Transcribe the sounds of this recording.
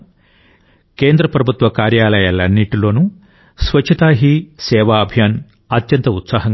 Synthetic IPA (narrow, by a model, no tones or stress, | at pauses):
keːnd̪ɾɐpɾɐbʱut̪ʋɐkaːɾjaːlɐjaːlɐnːiʈilo̞ːnu | sʋɐt͡ʃʰːɐt̪aːɦisɛːʋaːɐbʱjaːn | ɐt̪jɐnt̪ɐut̪saːɦɐŋ